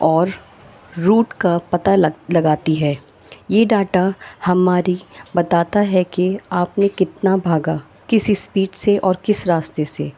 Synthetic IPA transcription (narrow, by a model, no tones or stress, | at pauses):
ɔːɾː | uːʈkapɐt̪allɐɡaːt̪iɦɛː | jeːɖaːʈahɐmaːɾibɐt̪aːt̪aɦɛkeaːpnekɪt̪nabʱaːɡa | kɪsispiːʈseʔɔːɾkɪsɾaːst̪ese